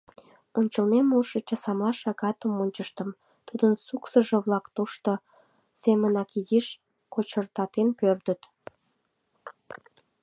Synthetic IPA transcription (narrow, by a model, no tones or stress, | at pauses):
onʲt͡ɕəlmemolʃət͡ɕesɑmlɑʃɑɣɑt̪əmonʲt͡ɕəʃt̪əm | t̪ud̪ənsuksəʒĕβlɑkt̪oʃt̪o | semənɑkiziʃ | kot͡ɕərt̪ɑt̪enpørd̪ət̪